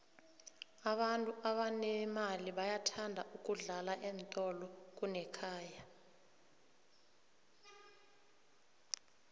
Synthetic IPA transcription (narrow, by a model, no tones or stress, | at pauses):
aɓantʼuʔaɓanɛmaliɓajatʰandʱaʔuk̬ʼuɮalaʔɛnt̪ʼɔlɔk̬ʼunɛkʰaːja